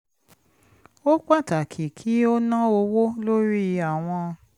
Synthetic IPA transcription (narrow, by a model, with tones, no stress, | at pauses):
o˦k͡pa˦˨ta˨kʰi˨kʰi˨˦o˦nã˦o˧wo˦lo˦ɾi˦a˨w̃ɔ̃˧